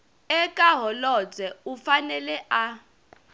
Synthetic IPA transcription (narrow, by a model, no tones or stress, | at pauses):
ɛkʼaɦɔlɔd͡zɛufanɛlɛʔa